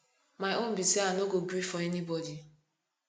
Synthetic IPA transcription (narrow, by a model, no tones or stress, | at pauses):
maɪonbitianoɡoɡɾifɔɛnibɔdi